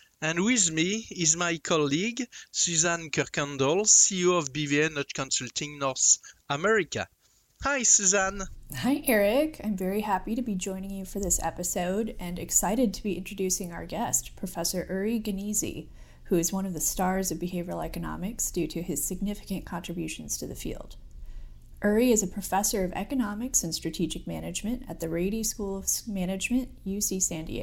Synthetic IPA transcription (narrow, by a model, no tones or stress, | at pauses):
ɨ̃nwɪðmiɪzmaɪkʰɑliɡsʉzãnkʰɔʁkɔ̃ndɔlˠsioɔvbivinɔtkʰɔ̃nsʉltʰɪ̃ŋnɔɹθəmɛɹika̰ | haɪsuzãnhaɪʔɛɹɪkʰãɪ̃ɱvɛɹihæpiɾɨbid͡ʒɔ̃ɪ̃nɪ̃ŋjɨfə˞ðɪsɛ̰pɨsoʊɾɨ̃nɨksaɪɾɨd̚tʰəbiʔɪ̃nt͡ʃɹ̥ɨdʉsɪ̃ŋaʊə˞ɡɛstpʰɹ̥ɨfɛsə˞ʔɜ˞iɡɨnizḭ | hʉɨzwʌ̃ñʌvðɨstɑɹzʌvbɨheɪvəl̩ˠɛkɨnɑ̰mɨksd̥ʉɾɨɨz̥sɨɡ̚nɪfɨ̥kɨ̃nkʰɑ̃ntɹ̥ɨbjʉʃn̩z̥tʰɨðɨfḭlˠd̥ | ʔɜ˞iɨzɨpʰɹ̥ɨfɛsə˞ʌvɛ̰kɨnɑmɨksɨ̃nstɹ̥ɨtʰid͡ʒɨk̚mænɨd͡ʒmɨ̃ntɨ̰t̪̚ðɨɹeɪɾiskulˠʌv̥mænɨd͡ʒmɨ̃nʔjʉsisæ̃ndḭ